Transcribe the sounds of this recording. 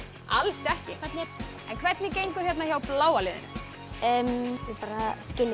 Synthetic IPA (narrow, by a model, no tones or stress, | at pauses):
alsɛhcɪ | ɛnkʰvɛɾt̪nɪcejŋkʏɾ̥çjɛt̪naçawplaːwalɪðɪ̰nʏ̰ | ɛmɪpaːɾascɪlɪ